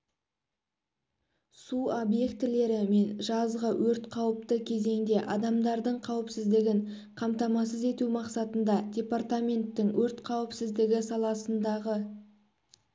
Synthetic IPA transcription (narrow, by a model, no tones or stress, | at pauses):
suobje̞kt̪ɪle̞ɾɪme̞nʒɑzʁəwɵɾt̪qʰɑwəp̚t̪əkʲʰe̞ze̞ŋd̪e̞ʔɑd̪ɑmd̪ɑɾd̪əɴqʰɑwəpsɪzd̪ɪɡʲɪɴ | qʰɑmt̪ɑmɑs̬əze̞t̪umɑqsɑt̪ənd̪ɑdʲe̞part̪amʲe̞nt̪ːɪŋwɵɾt̪qʰɑwəpsɪzd̪ɪɡʲɪsɑlˠɑsənd̪ɑʁə